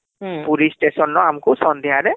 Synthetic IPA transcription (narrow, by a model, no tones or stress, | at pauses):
puɾistesɔnɹɔamkʊsɔnd̪iɦadɛ